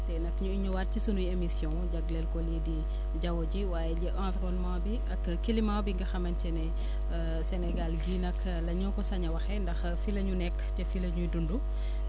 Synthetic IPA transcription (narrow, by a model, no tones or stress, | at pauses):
tɛnɐkɲuiɲuwat̚cisunujemisjɔ̃ŋkɔɟɐɡlɛlkɔliːdi | ɟɐwɔɟiwaːjɛɟɛʔãnfɾɔnmaːwbiʔɐkː | kːilimawbiŋɡɐxɐmɐncɛnɛ | sɛnɛɡalɡiːnɐk | lɐɲukɔsɐɲɐwɐxɛndɐx | filɐɲunɛkːtɛfilɐɲujdundu